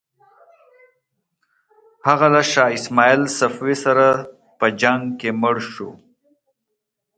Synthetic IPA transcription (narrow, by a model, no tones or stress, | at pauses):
haɣalaʃɑːɪsmɑilsafwesaɾa | pəd͡ʒaŋɡkemʊɽʃo̰